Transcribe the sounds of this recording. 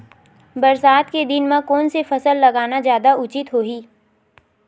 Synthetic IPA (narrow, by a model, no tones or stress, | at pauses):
bɐɾsaːt̪ked̪ɪnmãkɔːnsefɐsəlːɐɡaːnazjaːd̪aʊt͡ʃɪt̪ɦoːɦiː